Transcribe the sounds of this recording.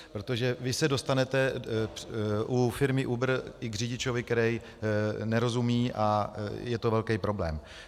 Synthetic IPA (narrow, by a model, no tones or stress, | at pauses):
pɾo̞t̪o̞ʒɛvɪsɛdo̞st̪anɛt̪ɛ | ʔufɪɾmɪʔubr̩ɪɡrɪɟɪt͡ʃo̞vɪk̚t̪ɛɾɛj | nɛɾo̞zumiːʔajɛt̪ovɛlkɛjpɾo̞blɛːm